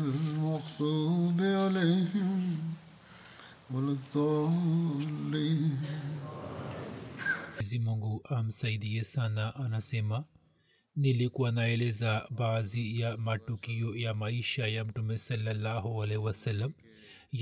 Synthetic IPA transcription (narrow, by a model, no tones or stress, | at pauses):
mɐxsubealeɦm | wɐlt̪o | li | izimɐŋɡuʔɐmsɐjid̪ijesanaʔɐnasema | nilikuwɐnaelezabaːzijamɐʈːukijojamɐiːʃajɐmʈumesɐlːɐlːaːɦoɐleʋɐsɐlːɐm | j